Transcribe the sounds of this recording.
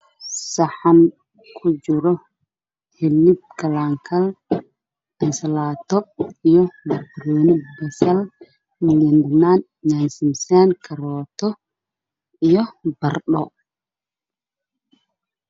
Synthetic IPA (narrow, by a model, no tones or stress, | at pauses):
sɐħɑn | kʰʊt͡ʃɪɾɔ | hɪlːɪb̚kʰɐlaːŋkʰɐl | ɛnsɐlaːt̪ʰɔijɔmɐrbʊɾɔːnɪbɛsɐl | mɪljɐndɐnaːn | nansɪmsɛnkʰɐɾɔːt̪ʰɔ | ijɔbɐrɗɔ